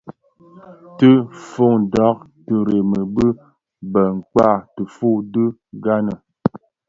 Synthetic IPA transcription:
tɨ˦fo˦˨ŋdɔ˨˦k̚ | tə˨ɾe˨mə˨bə˦ | bə˨ŋ̩˨k͡pa˦˨tə˨fu˦˨dɨ˦ɡa˦nə˨

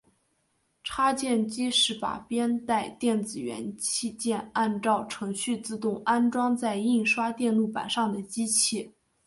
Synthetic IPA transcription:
ʈ͡ʂʰa˥t͡ɕjɛ˥˩nt͡ɕi˥ʂɻ̩˥˩pa̰˨˩pjɛ˥nt̪a˥˧ɪt̪jɛ˥˩nt͡sɹ̩˨˩ɥɛ̰˧˥nt͡ɕʰi˥˧t͡ɕjɛ˥˧na˥˧nʈ͡ʂɑ˥˩ʊʈ͡ʂʰɤ˧˥ŋɕy˥˧t͡sɹ̩˥˧t̪ʊ˥˩ŋa˥nʈ͡ʂwɑ˥ŋt͡sa˥˧ɪi˥˩ŋʂwa˥t̪jɛ˥˧nlu˥˩pa̰˨˩nʂɑ˥˩ŋd̪ə˩t͡ɕi˥t͡ɕʰi˥˩

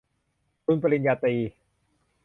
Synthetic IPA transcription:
k̪ʰu˧npɾa˧ɾi˧njaː˧t̪iː˧

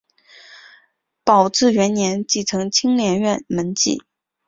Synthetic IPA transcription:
pɑ˨˩ʊʈ͡ʂɻ̩˥˩ɥɛ˧˥nnjɛ˧˥nt͡ɕi˥˩ʈ͡ʂʰɤ˧˥ŋt͡ɕʰi˥ŋljɛ˧˥nɥɛ˥˩nmə˧˥nt͡ɕḭ˥˩

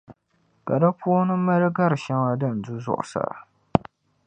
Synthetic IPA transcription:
ka˨da˦pu˦nɨ˦ma˦ɾɨ˦ɡa˦ɾɨ˨ʃa˦ŋa˨dɨ˦˨n̩˨du˦zʊ̰˦˨ʔʊ̰˨sa̰˨

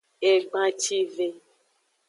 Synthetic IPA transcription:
e˨ɡ͡bã˦t͡ʃi˦ve˨

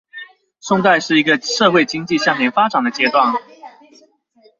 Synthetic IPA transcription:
ʂʊ˥˧ŋt̪a˥˧ɪʂɻ̩˥˩i˧˥ɡə˧ʂɤ˥˧xwe˥˩ɪt͡ɕi˥ŋt͡ɕi˥˧ɕjɑ˥˩mjɛ˧˥nfa˥ʈ͡ʂa˨˩ŋd̪ə˦t͡ɕjɛ˥t̪wa˥˩n

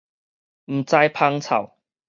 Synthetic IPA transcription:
m̩˨˩t͡sa˧jpʰa˧˥ŋt͡sʰa̰˨˩w

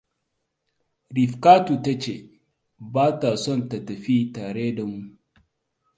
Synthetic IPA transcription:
ɾi˨ɸkaː˦tu˨ta˦t͡ʃeː˨ | baː˦ta˨sɔ˦˨ntɐ˨tɐ˨ɸiː˦taː˨ɽeː˦da˨mu˦˨ʔ

